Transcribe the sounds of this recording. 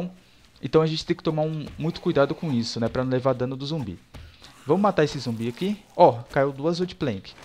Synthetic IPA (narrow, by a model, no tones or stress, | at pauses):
w̃ | ẽt̪ɐ̃ɐʒẽt͡ʃɪ̥t̪ẽj̃kɪt̪omaũmũj̃t̪ʊ̥kujd̪ad̪ʊkõisʊnɛpɾɐnɐ̃w̃levad̪ɐ̃nʊd̪ʊzõmbḭvɐ̃mʊmat̪aesɪzũbiakiɔkaewd̪uɐzod͡ʒɪplẽkɪ̥